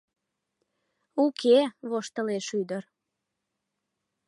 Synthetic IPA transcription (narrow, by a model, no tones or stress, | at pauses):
ukʰeβoʃt̪əleʃyd̪ər